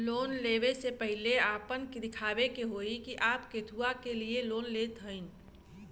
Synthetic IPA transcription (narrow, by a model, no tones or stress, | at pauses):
loːnleʋesepəɦɪleaːpənked̪ɪkʰaːʋekeɦoːikiʔaːpket̪ʰuakelieloːnleːt̪ɦə̃ɪn